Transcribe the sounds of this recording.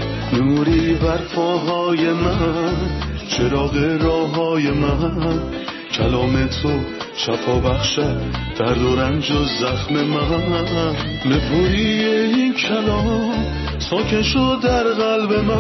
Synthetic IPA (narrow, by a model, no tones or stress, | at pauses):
nuːɾibæɾfʰɒːɦɒːjemænt͡ʃʰeɾɒːɣeɾɒːɦɒːjemæ | cʰælɒːmet̪ʰo | ʃæfʰɒːbæχʃæd̪̥æɾd̪oɾænd͡ʒozæxmemæ | bepʰuɾieinkʰælɔ | sɒːkʰenʃod̪æɾɣælbemæ